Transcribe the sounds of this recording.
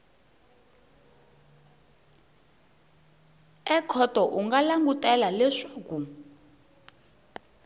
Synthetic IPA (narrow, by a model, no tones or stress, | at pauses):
ɛkʰɔtɔʔuŋɡalaŋɡutɛlalɛʂaku